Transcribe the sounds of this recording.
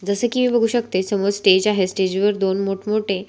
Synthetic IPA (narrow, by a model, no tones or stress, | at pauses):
d͡zəsəːkimiːbəɡʱuːɕəkt̪esəmod͡zsʈed͡ʑaɦesʈed͡ʑʋəɾd̪onmoʈʰmoʈe